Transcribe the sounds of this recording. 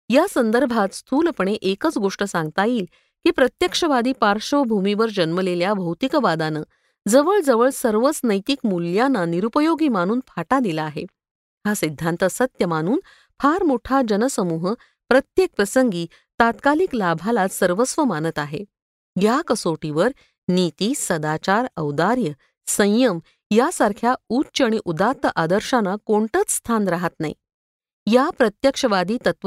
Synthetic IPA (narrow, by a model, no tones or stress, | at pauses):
jasənd̪əɾbʱat̪st̪ʰuːlpəɳeʔekət͡sɡoʂʈəsãŋɡt̪ajiːl | kiːpɾət̪jəkʂəʋad̪iːpaɾʂəʋbʱumiʋəɾd͡ʑənməleljabʱəwt̪ikəʋad̪anəː | d͡zəʋəɭd͡zəʋəɭsəɾʋət͡snəjt̪ikmuljanːaniɾupəjoɡiːmaɽ̃uːnpʰaʈad̪ilaːɦḛ | ɦasid̪ʱːant̪əsət̪jəmaɽ̃uːn | pʰaɾmoʈʰad͡ʑənəsəmuɦə | pɾət̪jek̚pɾəsəŋɡiː | t̪at̪kaliklabʱalasəɾʋəsʋəmanət̪aɦe | jakəsoʈiʋəɾ | nit̪iːsəd̪at͡ɕaɾəʋd̪aɾjə | sə̃j̃jəm | jasaɾkʰjautːt͡ʃaɽ̃iʔud̪at̪ːəʔad̪əɾʂanakoɳt̪ət͡sst̪ʰanɾaɦat̪naḭ | japɾət̪jəkʂəʋad̪iːt̪ət̪